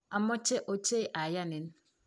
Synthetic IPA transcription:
a˨mɔ˦t͡ʃe˦ʔo˦t͡ʃe˦ʔa˨ja˦˨ne˨˦n˦

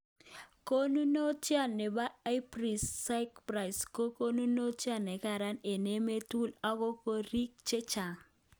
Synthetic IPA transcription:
ko˦nu˦no˦t͡ʃja˦˨ne˨ba˦a˦ɪ˦pɾi˨sːa˦ɪ˦kpɾa˨jsko˦ko˦nu˦no˦t͡ʃja˦˨nɛ˨ka˨ɾa˦ne˨ne˦me˦tu˦la˦ko˦ko˦ɾi˦k̚t͡ʃe˦t͡ʃa˨

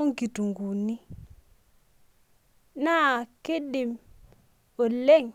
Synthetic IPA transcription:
o˦ŋɡi˨tu˨ŋɡu˨ni˦ | na˦˨kɪ˦dɪ˨m | o˨le˦˨ŋ

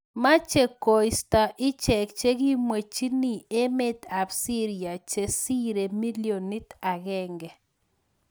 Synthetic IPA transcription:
ma˦t͡ʃe˨ko˨i˨sta˨ʔɪ˦t͡ʃɛ˨k̚t͡ʃe˦ɣi˦mwe˨t͡ʃi˦ni˦e˦me˦t̪a˨bsi˦ɾi˨a˨t͡ʃe˦si˦ɾe˨mi˦li˦o˨ni˦t̪a˨ɣɛ˦ŋɡɛ˨

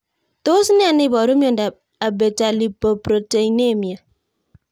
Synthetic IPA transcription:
to˦si˦ne˦a˨ne˦˨bɔ˨ɾo˦m˦o˨n̩˨da˨p̚ | a˨be˨ta˨li˨po˨pɾo˨te˨i˨ne˦˨mja˨

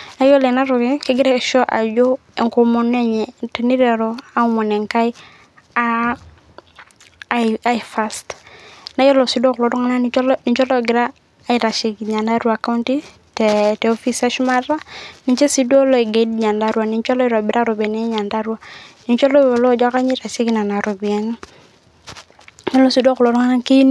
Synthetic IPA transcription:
na˦jɔ˦lɛ˨na˦ɾɔ˨ɡɪ˦kɪ˦ɡɪ˦ɾɛ˦ʃɔ˦ʔa̰˨d͡ʒɔ˦ɛ˨ŋko˨mɔ˨nɛ˦ɲ˨tɛ˨ni˦ɾɛ˨ɾɔ˦a˦u˦mɔ˨nɛ˨ŋka˦i˦ | a | a˦ifa˦stna˦jɔ˦lɔ˨si˦dɔ˦klɔ˨˦dɔ˦ŋa˦na˦n˦ni˨ɲt͡ʃɔ˦lɔ˦ɡɪ˨ɾaː˦ | i˨ɾa˨ʃi˨kɲa˨nda˦ɾu˦a˨ka˦u˦nti˦ | tɛtɛ˨ɔ˦fi˦sa˦ʃu˦ma˦ɾa˦ni˨ɲt͡ʃe˦si˦dɔ˦lɔ˦i˨ɡe˨dɲa˨nda˦ɾwa˨ni˨ɲt͡ʃɔ˦lɔ˦i˦ɾɔ˨bɪ˨ɾa˦ɾɔ˨bɛ˨nɛ˦ɲa˨nda˦ɾu˦a˦ni˨ɲt͡ʃɔ˦lɔ˦˨lɔ˦d͡ʒa˦ka˦ɲi˦ɾa˨ʃi˦ɡna˨na˨ɾɔ˨bi˨ɛ˦n˦ | ɲɔ˦lɔ˦˨si˨dɔ˦klɔ˨ɾɔ˦ŋa˦na˦ki˦n

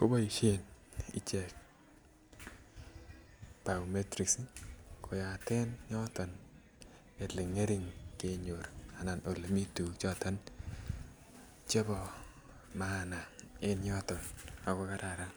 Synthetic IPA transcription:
ko˦ba˦i˨ʃe˦nḭ˦t͡ʃe˨k̚ | b̥a˨ume˦tɾi˨kskʰo˨ja˨te˦nɲɔ˦tɔ˨n | e˨lɪ˨ŋe˦ɾi˨ŋke˦ɲo˨ɾa˨na˨no˨le˨mi˦tu˨kt͡ʃɔ˦ta˦n | t͡ʃe˦bɔ˨ | mana˨ɪ˦nɲɔ˦tɔ˨na˨kɔ˦ka˦ɾa˨ɾa˦

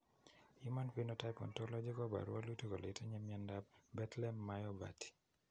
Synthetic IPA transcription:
jima˦npi˦no˦ta˦jpɔ̰˨ntɔ˦lɔ˦d͡ʒe˦kɔ˦ba̰˨ɾwa̰˦luto˦ko˨le˨te˦ɲa˦mja˨nda˦b̚bɛ˦tlɛ˦mːajɔba̰ti̥˨

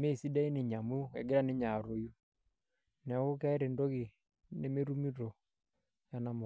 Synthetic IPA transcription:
me˦˨si˦da˦i˦ne˨ɲa˨mu˦ɛ˨ɡe˦ɾa˦ne˦ɲa˨ɾo˨ju˦ | n˨a˨˦ɣo˦ka˦e˦ɾe˨ndɔ˦ɣe˨ | ne˦me˦ɾu˦mi˦ɾɔ˨ | ja˦na˦mo˨

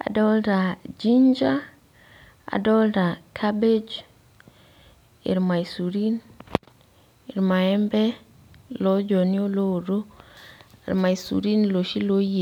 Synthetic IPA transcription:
a̰˨dɔ˦lta˨d͡ʒi˦ɲd͡ʒa˦ | a̰˨dɔ˦lta˨kʰa˦be˦d͡ʒ | ḭ˨ɾma˨isu˨ɾi˦n | i˨ɾma˨ɛ˦mbɛ˦ | lɔ˦d͡ʒɔ˨ni˦o˦lo˦˨ɾo̰˦˨ | ɾma˨i˨sṵ˨ɾi˦nlo˨ʃi˦lo˦je˨

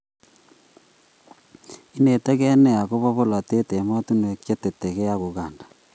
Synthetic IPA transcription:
i˦ne˨te˦ɣe˦ne˦˨a˨ɣo˦βo˦βo˦la˨te˦te˨ma˦tu˦n˨e˨kje˦te˨te˨ɣe˦ja˦ɣo˨ɣaːndḁ˨

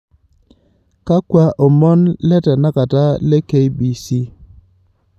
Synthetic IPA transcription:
ka˦kwa˦ʔɔ˨mɔ˦nlɛ˦tɛ˨na˦ka˨ta˦lɛ˦ke˦i˦bi˨si˦

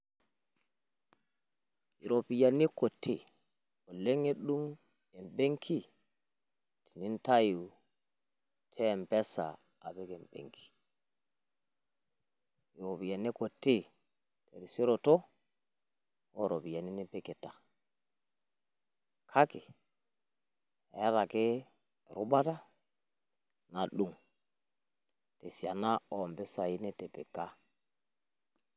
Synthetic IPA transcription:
i˨ɾo˨pi˨ja˨nːi˦ko˨tʰːe˨ | o˨le˦ŋe˦ɗu˦m | ɛ˨mbe˦ŋkʰi˦ | ti˨ni˦nta˦ju | tʰɛ˦mpɛ˦sa̰˨ | a˨bɛ˦kɛ˨mb̥ḛ˨ŋkʰi̥˨ | i˨ɾo˨bi˨ja˨nːi˦ko˨tːe˦ | tɛ˨ɾi˨se˦ɾo˨tɔ˦ | ɔ˦˨ɾɔ˨βi˨ɛ˨ni˦ne˦pe˦ke˨ta˨ | kʰa˦kɪ˨ | ɛ˨˦ɾa˨kɪ˦ | ɾu˦ɓa˦ta˦ | na˨ɗu˨ŋ | te˨sja˨na˦ɔ˨mbɛ˦sa˨i˦ne˦tɛ˨pe˨ka˦

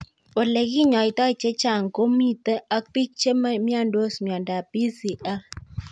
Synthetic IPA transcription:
o˨le˨ɡi˦ɲɔ˨i˨tɔ˦i˨t͡ʃe˦t͡ʃa˦˨ŋ̩˨ko˦mi˦tə˦ʔa˦k̚ti˦t͡ʃe˦ma˦mja˦˨ndo˦smja˨nda˨pi˦si˨ʔa˦

